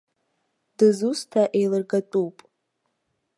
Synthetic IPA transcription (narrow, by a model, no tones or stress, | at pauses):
d̥ɨzustʰaʔe̞jlɨrɡatʼupʼ